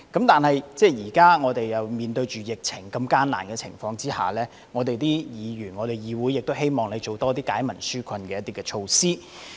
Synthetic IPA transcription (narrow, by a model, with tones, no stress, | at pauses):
kɐ˨˥mt̪aː˨nhɐ˨jt͡sɛː˥˧jiː˨˩kaː˥ŋɔː˨˧t̪e˨jjɐ˨wmiː˨nt̪ɵ˧ɥt͡ʃyː˨jɪ˨k̚t͡sʰɪ˨˩ŋkɐ˧mkaː˥nla̰ː˨˩nkɛː˧t͡sʰɪ̰˨˩ŋfɔː˧ŋt͡siː˥ha̰ː˨˩lɛː˥ | ŋɔː˨˧t̪e˨jt̪iː˥jiː˨˧jyː˨˩nŋɔː˨˧t̪e˨˩jjiː˨˧wuː˨˥jɪ˨k̚t̪o˥whe˥jmɔː˨ŋle˨˧jt͡so˨˩wt̪ɔː˥t̪iː˥kaː˨˥jmɐ˨˩nsyː˥kʷʰɐ˧nkɛː˧jɐ˥t̪iː˥kɛ˧t͡ʃʰo˧wsiː˥